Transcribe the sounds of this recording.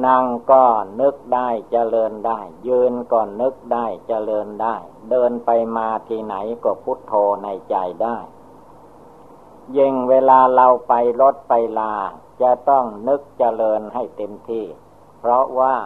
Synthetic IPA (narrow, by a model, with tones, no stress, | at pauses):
na˧ŋkɔː˥˩nɯ˦˥k̚daː˥˩jt͡ɕa˧lɤː˧ndaː˥˩jːɯː˧nkɔː˧˩nɯ˦˥k̚daː˥˩jt͡ɕa˧lɤː˧ndaː˥˩jdɤː˧npa˧jmaː˧t̪ʰiː˧˩na̰˩˦jkɔː˥˩pʰu˦˥t̪ʰːoː˧na˧jt͡ɕa˧jdaː˥˩j | ji˧˩ŋweː˧laː˧la˧wpa˧jlo˦˥t̪̚pa˧jlaː˧ | t͡ɕa˧˩t̪ɔ˥˩ŋnɯ˦˥k̚t͡ɕa˧lɤː˧nha˥˩jt̪e˧mt̪ʰiː˥˩ | pʰɾɔ˦˥waː˥˩